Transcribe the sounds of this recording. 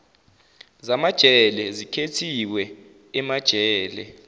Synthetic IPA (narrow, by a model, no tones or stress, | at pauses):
zamad̥ʒ̥ʱɛlɛzikʰetʰiwɛ | ɛmad̥ʒ̥ʱɛːlɛ̰